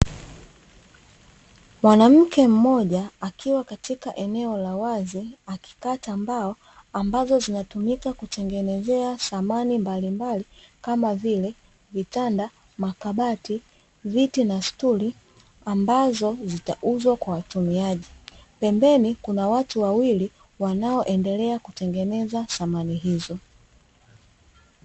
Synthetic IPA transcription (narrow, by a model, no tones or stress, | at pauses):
mwanam̩kɛm̩mɔʄaːkʰiwakatikaʔɛnɛɔlawaziaki̥kaːtambaɔ | ambazɔzinatumikakutɛŋɡɛnɛzɛasamanimbalimbalikamavilɛ | vitanda | makaɓati | vitinastuli | ambazɔzita̰ʔuzwakwawatumiaʄipɛmbɛnikunawatuwawili | wanaɔʔɛndɛlɛakutɛŋɡɛnɛzaθamaniɦizɔ